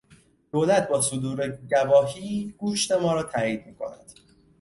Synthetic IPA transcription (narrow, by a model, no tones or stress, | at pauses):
d̪̥oːlæt̪̚ʰbɒːsod̪uːɾeɟævɒːɦiːɡuːʃt̪e̞mɒːɾɒːt̪ʰæːiːd̪̥̚miːkʰo̞̰næ̰d̪̥